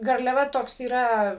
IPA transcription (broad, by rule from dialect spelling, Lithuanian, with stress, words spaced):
ɡɐrʲlʲɛˈʋɐ ˈtoːks iːˈrɐ